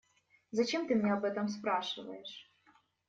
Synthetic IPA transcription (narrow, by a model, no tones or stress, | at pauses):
zɐt͡ɕemt̪ɨmʲnʲeɐbɛt̪ɐmspɾaʂɨvə̰jɪʂ